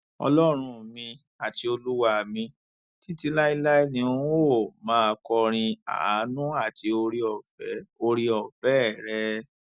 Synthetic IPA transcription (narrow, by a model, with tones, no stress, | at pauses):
ɔ̰˧lɔ˦ɾ̃ũ˧˨mĩ˧ | a˨ti˧o˧lu˦wa˦˨mĩ˧ | ti˦ti˧la˦i˧la˦i˦nĩ˧ũ˦o˦˨mãː˦˧kɔ˧ɾ̃ĩ˧a̰˨a˨˦nũ˦a˦˨ti˧o˧ɾi˧ɔ˨fɛ˨˦o˧ɾi˧ɔ˨fɛ˨˦˨ɾɛ˦